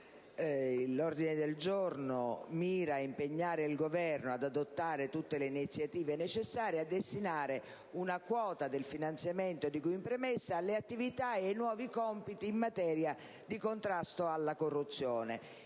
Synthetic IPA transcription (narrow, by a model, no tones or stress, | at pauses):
lːɔrd̪inɪd̪eld͡ʒɔrnomiːɾaimpeɲːaːɾeilɡovɛrnoad̪ad̪ot̪ːaːɾet̪ut̪ːeleinit̪sːjat̪iːvenet͡ʃesːaːɾead̪ːest̪inaːɾɪ | unakwɔːt̪ad̪ɪlfinant̪sjamɛnt̪od̪ikuimpɾemesːaːlːeat̪ːivit̪aenwɔːvikɔmpit̪iːmːat̪ɛːɾja | d̪ikont̪ɾast̪oalːakorːut̪sːjɔːne